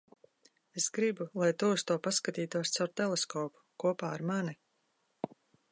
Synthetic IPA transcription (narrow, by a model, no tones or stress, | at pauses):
esɡɾibulˠajt̪uust̪uɔpaskat̪iːt̪uɔst̪sawɾt̪ɛlˠeskɔːpu̥kuɔpaːaɾmani